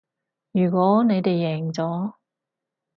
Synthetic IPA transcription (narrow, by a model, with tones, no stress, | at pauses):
jyː˨˩kʷɔː˨˥ne˨˧jt̪e˨jːɛː˨˩˨ŋt͡sɔː˨˥